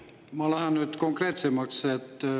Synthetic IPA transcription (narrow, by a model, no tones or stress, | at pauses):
mɑlæhænːyt̪koŋkret̪semːɑkset̪ː